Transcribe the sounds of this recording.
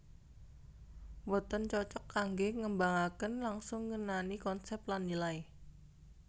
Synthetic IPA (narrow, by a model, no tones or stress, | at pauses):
wɔt̪ɔnt͡ʃɔt͡ʃɔkːaŋɡeŋəmbaŋakənlaŋsʊŋːənanikɔnsɛp̪̚lanːilaj